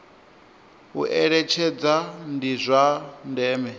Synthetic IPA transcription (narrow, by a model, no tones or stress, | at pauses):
ṵʔɛɺɛt͡ʃʰɛd͡zandizʷandɛːmɛ